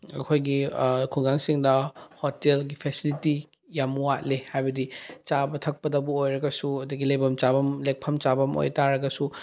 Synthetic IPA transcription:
ɐ̰kʰojɡikʰuɡaŋsiŋdɐhotelɡipʰesiliti | jamuwat̚lehajbɐdit͡ʃabɐtʰɐk̚pɐdɐbuojɾɐɡɐsuɐdiɡilejbɐmt͡ʃabɐmlek̚pʰɐmt͡ʃabɐmo̰jtaɾɐɡɐsu

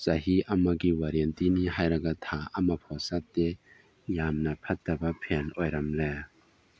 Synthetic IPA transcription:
zaɦiʔɐmaɡiwaɾiɛntiniɦajɾɐɡatʰaɐmɐpʰɔsat̚ːe | jamnɐpʰɐt̚dɐbɐpʰenɔjɾamle

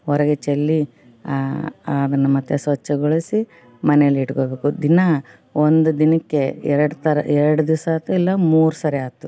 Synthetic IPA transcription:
ɔɾɐɡet͡ʃelːi | ɐd̪ɐnːumɐt̪ːesʋɐt͡ʃːeɡoɭisi | mɐnɛjɐlːiːʈkobe̞ːkud̪inɐ | ond̪ud̪inɐkːeɛɾɐɽt̪ɐɾɐ̰ɛɾɐɽud̪iʋsaːt̪ːuilːɐmuːɾusɐɾeaːt̪ːu

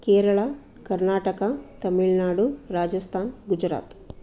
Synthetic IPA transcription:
keːɾɐɭɐ | kɐɾnaːʈɐkɐt̪ɐmiɭnaːɽuɾaːd͡ʒɐst̪ʰaːnɡud͡ʒɾa̰ːt̪

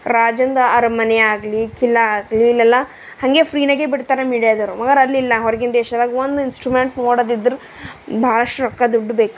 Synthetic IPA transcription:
ɾaːd͡ʒɐnd̪ɐɐɾɐmɐneaːɡlikilːɐaːɡliːlːɛlːɐ | hɐŋɡe̞ːpʰɾiːnɐɡeːbiɽt̪aːɾemiːɽiad̪ɐɾumɐɡɐɾɐlːilːɐɦɔɾɡind̪ɛːʃɐd̪aːɡiond̪uinsʈɾumeɳʈnoːɽod̪id̪ːɾu | baːɐɭɐʂʈuɾɔkːɐd̪uɖːubeːku̥

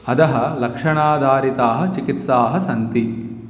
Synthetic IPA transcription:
ɐd̪ɐɦɐ̆lɐkʂɐɳaːd̪ʱaːɾit̪aːɦɐ̆t͡ʃikit̪saːɦɐsɐnt̪i

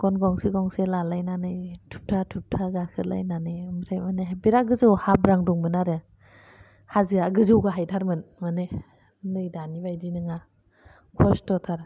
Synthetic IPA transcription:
ɡ̥ɔnɡɔŋsiɡɔŋselalajnanɯjtʰup̚tʰatʰup̚tʰaɡakʰɯɾlʔa̰jnanɯjmɾʰajmaneɦbiɾaɡɯzɯwhabɾaŋdɔŋmɯnaɾe | hazɯaɡɯzɯwɡaɦajtʰaɾmɯnmane | ndɯjdanibajdinɯŋa | kʰɔstɔtʰaɾ

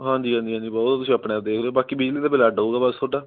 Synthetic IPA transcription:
ɦãːd͡ʒiːɦãːnd̪iɦãːd͡ʒiːbɔːt̪ʊs̬ĩːəpɽeːd̪eːkʰleobaːkiːbid͡ʒliːt̪aːbɪlaːɖəuːɡaːbast̪ʰoːɖaː

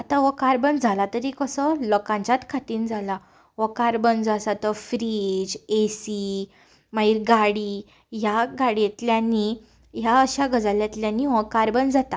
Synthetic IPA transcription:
at̪aʋəkaɾbənd͡zʱalat̪əɾikəsəlɔkãɲt͡ɕat̪kʰat̪iːnd͡zʱala | ʋɔkaɾbənd͡zasat̪əfɾid͡ʑesi | maɦiɾɡaɽi | jaɡaɽjet̪ljanːi | jaəɕaɡəd͡zaljat̪ljãniʋɔkaɾbənd͡zat̪a

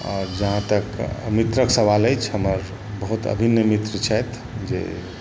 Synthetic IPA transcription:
ɔ̰ɾd͡ʒəɦãt̪əkmit̪ɾəksəβaləjt͡ʃʰɦəməɾ | bəɦut̪ə̰bʱinjəmit̪ɾət͡ʃʰɛt̪ʰ | d͡ʒḛ

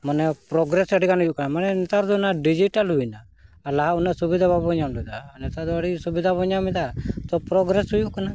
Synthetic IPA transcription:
manɛpɾɔɡɾesəɽikanɦujuʔkanamanɛnɛt̪aɾd̪ɔnaɖid͡ʒiʈalɦujnaː | laɦaunasubid̪ʱabʱabɔɲanlɔd̪aːnɛt̪ad̪ɔəɽisubid̪ʱabɔɲamid̪at̪ɔpɾɔɡɾesɦujuʔkana

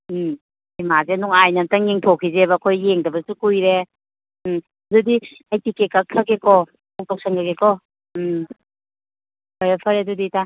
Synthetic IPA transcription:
imazenuŋajnɐtɐŋiŋtʰokʰizebɐːkʰojːeŋdɐbɐsukujɾe | ɐdudi | ajtikekak̚kʰakekɔ | ɔk̚tɔk̚sʰaŋɡaɡekɔ | pʰɐɾepʰɐɾedudita

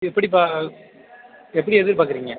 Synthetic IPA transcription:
ɛpːɐɽip̬aː | ɛpːɐɽiɛðɪɾpaːkɯɾiːŋɡɐ

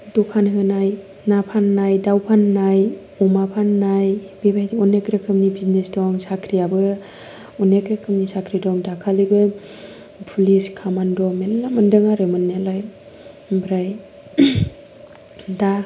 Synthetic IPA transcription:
dɔkʰanɦɯnaj | napʰanːajdawpʰanːaj | ɔmapʰanːajb̥ebajtɔnekɾekʰɯmnibiznesdɔŋsakʰɾiabɯ | ɔnekɾekʰɯmnisakʰɾidɔŋdakʰalibɯ | pʰuliskʰamandɔmelːamɯndɯŋaɾemɯnalaj | bɾaj | da

